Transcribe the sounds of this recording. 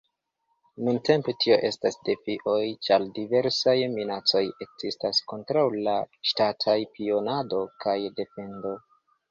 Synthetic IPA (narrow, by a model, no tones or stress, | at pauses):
nunte̞mpetʰio̞ʔe̞stasde̞fiʔo̞jt͡ʃaldive̞ɾsajminat͡so̞je̞kz̥istasko̞ntɾawlaʃtatʰajpio̞nado̞kajde̞fe̞ndo̞